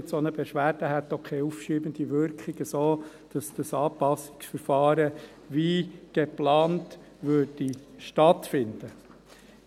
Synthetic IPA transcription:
tsonəbɛʃʋæːɾd̥əɦɛt̪ːɔkʰɛufʃiːbənd̥̪iʋʏɾkχiɡ̥əsoː | d̥ɑsd̪̥əsɑːpɑsɪ̥ksfəɾfɑːɾə | ʋiɡ̥eplɑːnt | ʋøːɾdiʃtɑtfɪnd̥̪ə

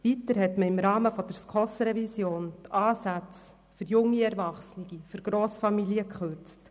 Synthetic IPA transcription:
vitəɾhɛtməɪmɾɑːməfɔd̥əɾskʰɔsɾɛvisjoːntɑːsæt͡s | fʏɾjʊŋːiɛɾvɑχsniɡifʏɾɡ̥ɾoːsfɑmiliəkχʏɾt͡st

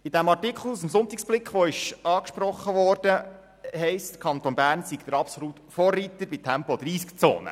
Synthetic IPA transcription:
ɪd̥̪æmɑrtikχl̩usəmsʊnt̪iksb̥lɪkχʋoɪʃɑːkʃpɾɔχːəʋɔːɾd̥ə | hɛɪst̪ə̥kʰɑnt̪onbæːɾnsikt̪əɾɑpsolut̪foːriːt̪əɾbitʰæmpɔd̪ɾiːskt͡so̰ːnə̰

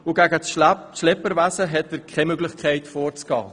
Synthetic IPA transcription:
ʊɡæɡəʃlɛpəɾʋæsəɦɛtəɾkʰɛmøɡlɪχkʰχɛɪtfoːɾt͡sɡ̥ɑ̰ː

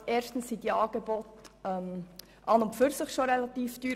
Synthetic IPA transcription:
eːɾʃtn̩ssid̪iɑːɡ̥ebɔtɛm | ʔɑnʊmpfʏɾsɪχʃoɾɛlɑt̪iːfd̥yː

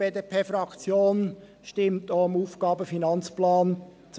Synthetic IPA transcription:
eːdeːpʰeːfɾɑkt͡sjoːn | ʃtɪmtomuːfɡ̥ɑːbəfinɑnt͡splɑːn | t͡s

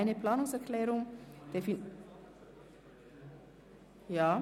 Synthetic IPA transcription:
ɪnəpʰlaːnʊŋsɛʁklɛːʁʊŋd̥efɪn | jaː

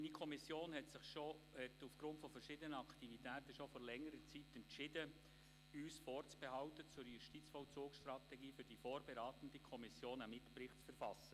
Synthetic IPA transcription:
nikʰɔmisjoːnhɛtsɪχʃohɛtufɡ̥ɾʊntfɔfəɾʃɪdənəɑktivitæːtəʃofɔːɾlɛŋːəɾət͡sitɛntʃɪdə | yːsfɔːrt͡sb̥ɛɦɑʊtət͡sʊɾjʊʃtit͡sfɔlt͡suːksʃtrɑtɛɡiːfʏɾd̥ifoːɾbɛɾɑːt̪ən̩dəkʰɔmɪsjoːnamɪtpɾɪχtt͡sfɛɾfɑsːə

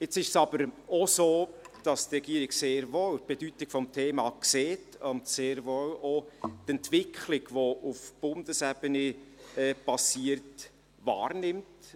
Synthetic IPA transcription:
ɪt͡sɪʃsɑb̥əɾɔsoːd̥ɑstrɛɡ̥iəɾɪɡseːɾʋowt̚b̥edytɪkfɔmtʰeːmɑkseːtʊntseːɾʋowɔtɛntʋɪkʰχlɪɡʋoʔufb̥ʊnd̥əsɛb̥ənɛɛːbɑsiəɾt | ʋɑ̰ːrnɪmt

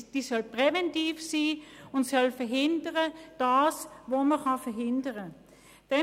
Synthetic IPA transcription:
d̥iːsɔlpʁɛvɛntiːfsiːʊntsɔlfɛɐɦɪndəʁəd̥ɑːsʋoːməχɑfɛɐɦɪndəʁə | d̥ɛ

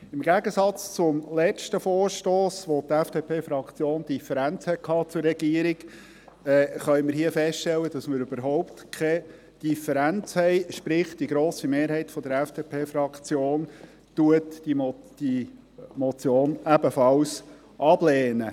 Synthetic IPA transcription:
ɪmɡæɡəsɑt͡st͡sʊmlɛt͡ʃtəfɔːɾʃtoːsʋɔt̪æfd̥epʰeːfɾɑkt͡sjoːnd̪ifɛɾænt͡shɛt̚kʰhɑːt͡sʊɾɛɡ̥iəɾiɡ | ɛːχœʏɥməɾɦiəfɛstʃtɛlːəd̥ɑsməɾʉb̥əɾɦɔʊpt̪kʰɛ | d̥ifɛɾænt͡shɛɪʃpɾɪχt̚d̥iɡɾoːsimeːɾɦɛɪtfɔd̥̪əɾæfd̥epʰeːfɾɑkt͡sjoːn | t̪uətd̥im | d̥i | mɔt͡sjoːnæbəfɑls | ʔɑblɛːnə

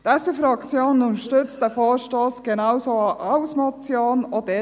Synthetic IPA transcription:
t̪ɛspeːfɾɑkt͡sjoːnənʊntəʃtʏt͡st̚d̥ɛfoːʃtoːsɡ̥enaʊsoʔaʊsmɔt͡sjoːnɔd̪e

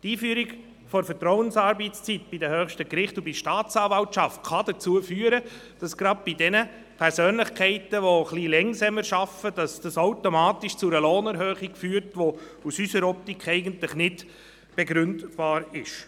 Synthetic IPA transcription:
tiːfyːɾiɡ | fɔɾfətɾɔwənsɑːɾbitst͡sit̚b̥idəhøːχʃtəkɾɪχtubiʃtɑːt͡sɑːvɑltt͡ʃɑft̚kɑd̥ət͡suəfyːəɾə | d̥ɑsɡ̥ɾɑd̚b̥idɛnə | pʰɛɾsøːnlɪχkʰɛɪtəʋoχlilɛŋsɛməɾʃɑfəd̥ɑsd̥ɑsaʊtomɑːtiʃt͡sʊɾəloːnɛɾɦøːχikfyːəɾtʋo | usysəɾɔp̚tikχɛɪɡəntlɪχnɪd | b̥ɛɡɾʏndb̥ɑːɾɪʃ

